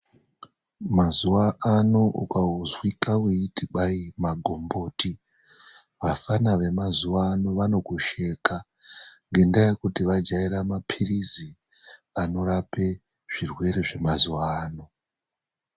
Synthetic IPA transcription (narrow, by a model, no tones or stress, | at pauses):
mazuwaːnoṵkauzwikawuitiɓaimaɡʱo̞mbo̞ːti | ʋafanaʋe̞mazuwaːno̞ʋano̞kuʃe̞ka | ŋɡe̞ndaje̞kutiʋad͡ʒaiɾamapʰirizi | ano̞ɾape̞ | ʐ̥irwe̞ɾeʐe̞mazuwaːno̞